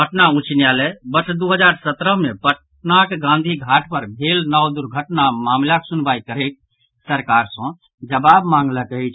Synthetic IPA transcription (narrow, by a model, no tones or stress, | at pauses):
bəʈnaũt͡ʃnijalɛbət͡ʃʰd̪uɦəd͡ʒaɾsət̪ɾəɦmepəʈ | nakeɡãnd̪ʱiɡʱaʈʰpəɾbʱelnawd̪uɾɡʱəʈnamamlaksunbaikəɾek̚ | səɾkaɾsə̃ | d͡ʒəbabmãŋɡləkəɛt͡ʃʰ